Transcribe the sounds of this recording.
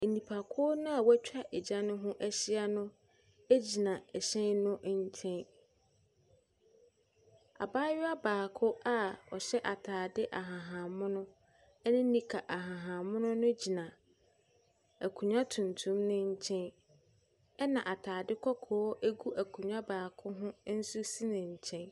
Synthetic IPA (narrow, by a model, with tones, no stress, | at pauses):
e˨nĩ˨pʰa˨kʰʊ˦ɔ˦nʊ̃˦a˨wæ˦t͡ɕᶣa˨ʔɛ˨d͡ʑã˦nʊ̃˦ɦʊ̃˦ʔæ˦ɕɪ˦a˦nʊ̃˦ | æ˦d͡ʑi˨nã˨ɛ˨ɕɛ̃˦nʊ̃˦ʔɲ˦t͡ɕʰɛ̃˦n | a̰˨baː˦ɥɪ˦a˦baː˨kʰʊ˦a˦ɔ˨ɕɛ˦ʔa˨tʰaː˨dɪ˦ʔa˨ɦã˨ɦã˨mʊ̃˦nʊ̃˦ | nɪ̃˦nĩ˦kʰa˨ʔa˨ɦã˨ɦã˨mʊ̃˦nʊ̃˦nʊ̃˦d͡ʑi˨nã˨ | æ˨kʰũ˨ɲã˦tʰũ˨ntʰũ˦mnɪ̃˦ɲ̩˦t͡ɕʰɛ̃˦n | ɛ˦nã˨ʔa˨tʰaː˨dɪ˦kʰɔ˦kʰɔː˨ɔ˦ʔe˦ɡu˦æ˨kʰũ˨ɲᶣã˦baː˨kʰʊ˦ɦʊ̃˦n̩˦su˦si˦nɪ̃˨ɲ̩˨t͡ɕʰɛ̃˦n